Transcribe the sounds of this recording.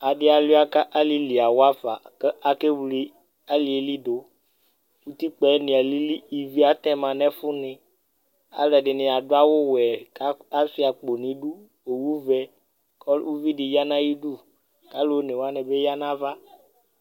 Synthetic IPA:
a˨ɖɪ˦a˨lu˦a˦ka˦ʔa˦li˦li˨a˨wo˦a˦fa̰˨ke˦ʔa˨ke˦wli˦ | a˦li˨e˨li˦do˨ | wu˦t̪i˦k͡pɛ˨˦nĩ˨a˨li˦li˦i˨vi˦a˦t̪ɛ̃˦mã˨nɛ̃˦fu˦nɪ̃˨ | a̰˦lɛ˨ɖɪ˨nɪ̃˨a˨do˦a˦wo˦wɛ˨ka˦a˦fi˦a˨k͡po˨nĩ˨˦ɖu˦ | o˨wu˦vɛ˦ | kɔ˦lwu˦vi˦ɖɪ˨ja˦nã˦ji˦ɖu˦˨ | ka˦lo˦o˦nẽ˨wo˦a˦nɛ̃˨be˦ja˦nã˦va˦

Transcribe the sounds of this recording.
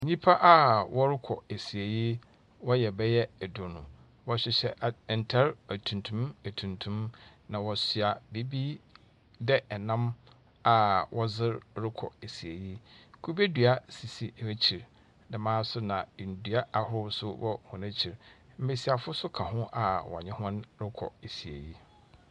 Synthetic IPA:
ɲĩ˦pʰa˦ʔa˦wɔ˦ɾɪ˦kʰɔ˨e˨si˨e˨ji˦ | wɔ˦jɛ˨bɛ˦jɛ˦ɛ˨dʊ˨nʊ̰̃˨ | wɔ˦ɕᶣɪ˨ɕɛ˦ʔn̩˨tʰɛ˦ɾæ˨tʰũ˨ntʰũ˦mæ˨tʰũ˨ntʰũ˦mnã˨wɔ˨sɥa˨bi˦bi˦ | dɛ˦ɛ˨nã˦m | a˨wʔɔ˦zɪ˦ɾɾɪ˦kʰɔ̰˨e˨si˨e˨ji˦kʰu˦be˦dɥa˦si˨si˨˦e˦t͡ɕʰi˨ɾ | nã˨mãː˦sʊ˦nã˨n̩˨dɥa˦a˨hʊ˦ɾsʊ˦wɔ̰˦hʊ̃˨næ̃˦t͡ɕʰi˨ɾ | m̩˦me˨si˨a˨fʊ˦sʊ˦kʰã˨hʊ̃˦ʔa˨wɔ̰˨ɲɪ̃˦hʊ̃˦nɾɪ˦kʰɔ̰˨e˨si˨ḛ˨ji˦

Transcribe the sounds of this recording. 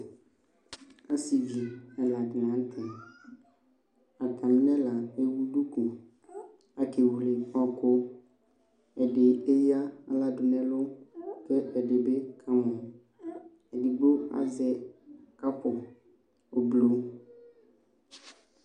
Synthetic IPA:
a˦si˨vi˨ɛ˨la˨ɡnã˨˦n˦t̪ʰɪ˨ | a˨t̪a˨m˦nɛ̃˦la˨e˦wu˦ɖu˦ku˨ | a˨ke˨wu˨le˨ɔ˦kʊ˦ | ɛ˨ɖe˨e˦ja˦a̰˨la˨dʊ˨nɛ̃˦lʊ˦kɛ˦ɛ˨de˨be˦kʰa˦mɔ̃˨ | ɛ˨di˨ɡ͡bo˦a̰˨zɛ˦ka˦pʊ˨ | o˨blo˨˦

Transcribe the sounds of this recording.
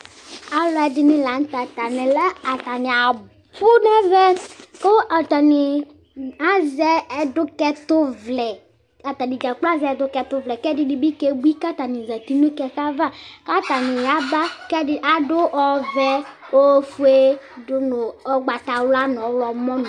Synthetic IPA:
a˨lɔ˨ɛ˨dɪ˨nɪ˦la˨n̩˦ta˨t̪a˨nɛ˨lɛ˦a˨ta˨nɪ˨a˨ | bʊ˦nɛ˦vɛ˦ko˦a˨t̪a˨nɪ˨ | a˦zɛ˦ɛ˨dʊ˦kɛ˦t̪ʊ˦vlɛ˨ | a˨t̪a˨nɪ˨d͡ʒa˨k͡pːzɛ˦˨˦dʊ˦kɛ˨t̪ʊ˦vlɛ˨kɛ˦dɪ˦dɪ˨bi˦ke˦bu˦i˦ka˦t̪a˨nɪ˨za˨t̪i˦nʊ˦kɛ˨ka˦va˦˨ka˦t̪a˨nɪ˨ja˨˦ba˦kɛ˦dɪ˦ʔa˨dʊ˦ʔɔ˨vɛ˦o˦fu˦e˦dʊ˦nʊ˨ɔ˦ɡ͡ba˨t̪a˨wla˦n˨ɔ˨˦lɔ˨mɔ˦n˨

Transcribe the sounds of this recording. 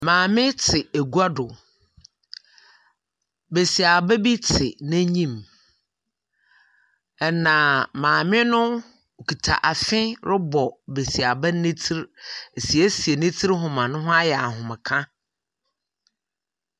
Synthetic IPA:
mãː˨mɪ̃˦tʰɪ˨e˨ɡu˦a˦dʊ˨ | be˨si˨a˨bɛ˦bi˦tʰɪ˨nɪ̃˦ɲĩ˦˨m | ɛ˨nã˨mãː˨mɪ̃˦nʊ̃˦ | o˨kʰi˨tʰa̰˨ʔa˨fɪ̃˦ɾɪ˦bɔ˨be˨si˨a˨bɛ˦nɪ̃˦tʰi˦ɾe˨si˨e˦si˨e˨nɪ̃˦tʰi˦ɾɦʊ̃˨mã˨nʊ̃˦ɦʊ̃˦a˦jɛ˨a˨ɦʊ̃˨mɪ̃˨kʰã˦

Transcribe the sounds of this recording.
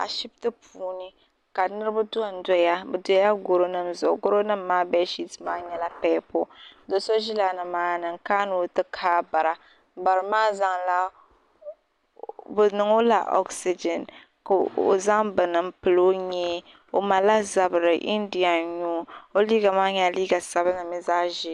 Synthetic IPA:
a̰˨ʃi˦btɨ˦puː˨˦nɨ˦ | ka˨nɨ˦ɾɨ˦ba˦dʊ˦a˨n̩˨˦dɔ˦ja˦bɨ˨dɔ˦ja˦ɡo˦ɾo˦nɨ˦mzʊ̰˨ɡo˦ɾo˦nɨ˦mː˦aː˦bɛ˦ʃi˦tmaː˦ɲɛ˦la˦pɛː˦po˦do˨so˦ʒi˦la˨nɨ˨maː˦nɨ˨ŋkaː˦nɨ˨˦tɨ˦kʰaː˦ba˨ɾa˨ | ba˨ɾɨ˨maː˦za˦ŋla˦ | bɨ˨nɨ˨ŋo˦la̰˨ʔɔ̰˦ksi˦d͡ʒɛ˨n | ka˨o̰˨za˦ŋbɨ˨nɨ˨m̩˦pɨ˨lo˦ɲɛ˦ | o˨ma˨la˦za˨bɨ˨ɾɨ˨ʔḭ˦ndi˨a˨ɲuː˦o˦liː˦ɡa˨maː˦ɲɛ˦liː˦ɡa˨sa˦ba˦nɨ˨mi˦zaː˦ʒi˦

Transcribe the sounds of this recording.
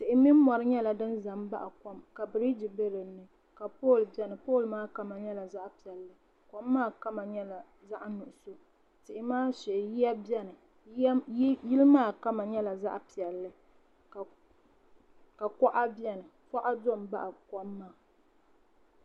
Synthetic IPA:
tɪ˨ʔɪ˨mi˦m˦mɔ˨ɾɨ˦ɲɛ˦la˨dɨ˦nza˨mba̰˦ʔa˨kɔ˦mka˨bɾi˦di˨be˦ɾɨ˨nːɨ˦ | ka˨po˦˨lbɛ˦nɨ˨poː˦˨lmaː˦ka˦ma˨ɲɛ˦la˨za˦ʔpi˨ɛ˨lːɨ˨ | kɔ˦mːaː˦˨ka˦ma˨ɲɛ˦la˨ | za˦ʔnʊ˨ʔʊ˨so˦ | tɪ˨ʔɪ˨maː˦sɛ˨ʔɪ˨ji˦a˦bɛ˦nɨ˨˦ | jɪ˦lɨ˦maː˦˨ka˦ma˨ɲɛ˦la˨za̰˦ʔpi˨ɛ˨lːɨ˦ | ka˨ | ka˨kɔ˦ʔa˦bjɛ˦nɨ˨fɔ˦ʔa˦do˦˨m˨ba̰˦ʔa˨kɔ˦mːa˦˨

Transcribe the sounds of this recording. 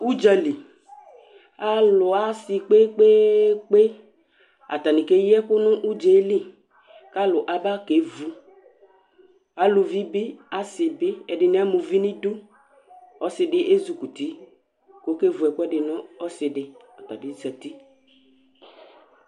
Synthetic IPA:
u˦d͡ʒa˦˨li˨ | a˦lʊ˨a˦sɪ˨k͡pe˦k͡pe˦k͡pe˦ | a̰˨ta˨nɪ˨ke˦jɛ˦kʊ˦nʊ˦ʔu˦d͡ʒe˨˦li˦ | ka˦lʊ˨ʔa˨˦ba˦ke˨˦vu˨ | a˨˦lʊ˨vi˦bɪ˦a˦sɪ˨bɪ˦ɛ˨dɪ˨nɪ˦a˦mʊ˨vi˦nɪ̃˦du˦ | ɔ˦sɪ˨dɪ˦ʔe˦zu˨ku˨ti˨˦ | ko˨˦ke˦vu˨ɛ˨kʊ˦ɛ˦dɪ˨nɔ˦ɔ˦sɪ˨dɪ˨ | a˨ta̰˨dɪ˨˦za˨ti˦

